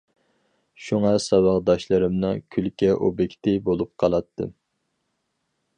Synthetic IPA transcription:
ʃuŋɑsɑwɑʁd̪ɑʃlˠɨɾɨmnɨŋkʲʰylkʲɛʔobɪkʲt̪ʰɪbolˠup̚qʰɑlˠɑt̪ʰːɨ̰

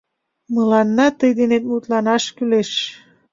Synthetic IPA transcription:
məlɑnːɑt̪əjd̪enet̪̚mut̪lɑnɑʃkyleʃ

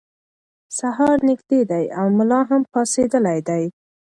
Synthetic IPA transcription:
saɦɑɾnɪɡd̪ed̪ajawmʊlɑɦampɑsed̪əlajd̪aj

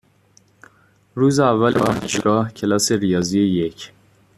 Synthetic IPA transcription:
ɾuːzeævːælɒhcʰeɡɒːhcʰe̞lɒːse̞ɾijɒːzijejecʰ

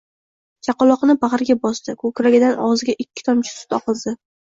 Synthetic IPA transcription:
d͡ʒɑqɒlˠɒqnɪbaʁɾɡʲabɒsd̪̥ɪkʰɵkɾaɡʲɪd̪anɒzɡʲaʔɪkʲʰːɪ̥t̪ʰɒmt͡ʃʰɪ̥sʊ̥t̪ɒqɨlˠd̪ɪ

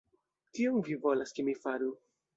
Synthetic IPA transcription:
tiomvivo̞laskemifaɾu

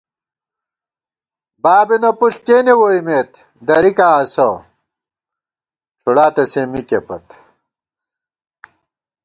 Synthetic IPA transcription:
baːbenɐpuɬkeːnewoimeːt̪ | d̪ɐɾikaːɐso | t͡ɕʰuɽaːt̪ɐsemikepɐt̪

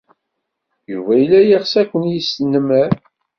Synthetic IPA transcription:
juvæjlːæjəχsækʷːənjisnəmæɾ

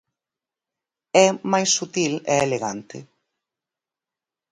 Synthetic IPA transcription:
ɛmajsːut̪ilɛeleɣa̰nt̪ɪ̰

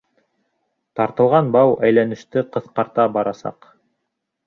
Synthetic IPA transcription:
t̪ɑɾt̪ɤ̆lˠʁɑnbɑwʔæjlænɘ̆ʃt̪ɘqɤ̆θqɑɾt̪ɑbɑɾɑsɑ̰q

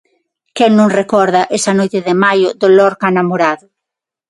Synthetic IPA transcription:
kɛŋnõŋrekɔɾðɐʔesɐnojt̪ɪðɪmajʊðolɔɾkanamoɾaðʊ

